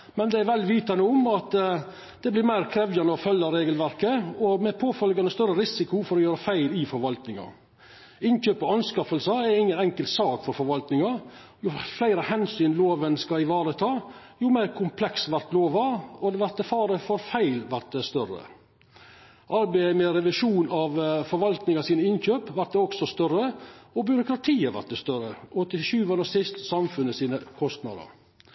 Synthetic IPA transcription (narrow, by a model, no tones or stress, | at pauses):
mɛnd̪ɛæɾʋɛlːʋiːt̪ɑnəʊmɑt̪ | d̪ɛblɪɾmæɪɾkʰɾɛʋjɑnəɔfœlːɑɾeːɡəlʋæɾkəɔmɛpʰoːfœlɡɑnəst̪œɾəɾɪsɪkʊfɔɾɔjøːɾəfæɪlɪfɔɾʋɑlt̪nɪŋɑ̰ | ɪnçøːpɔɑnskɑfəlsəɛɾɪŋːənɛŋkəlt̪sɑːkfɔɾfɔɾʋɑlt̪nɪŋɑ | jʊflæɪɾəhɛnsyːnloːʋənskɑɪʋɑːɾət̪ʰɑːjʊmæɪɾkʰʊmpʰlɛksʋæɾt̪loːʋɑɔd̪ɛʋæɾt̪̚ɛfɑːɾəfɔɾfæɪlʋæɾt̪̚d̪ɛst̪œɾə̰ | ʔɑɾbɛmɛɾɛʋɪʂuːnɑʋfɔɾʋɑlt̪nɪŋɑsiːnəɪnçøːpʋæɾʈ̪d̪ɛɔksɔst̪œrəɔbjʏɾʊkɾɑt̪ʰiːɑʋæ̰ʈ̪t̚d̪ɛst̪œɾəʔɔt̪ːɪʃʉːʋənəsɪst̪sɑmfʉnəsiːnəkʰɔst̪nɑ̰ːd̪ə̰ɾ